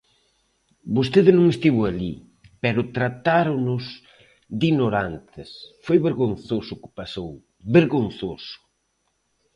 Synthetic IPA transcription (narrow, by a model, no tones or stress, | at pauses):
bost̪eðɪnõŋest̪iβʊalḭ | pɛɾʊt̪ɾat̪aɾʊnʊs | d̪inoɾant̪ɪsfojβeɾɣonθosʊkɪ̥pasow | βeɾɣonθosʊ̥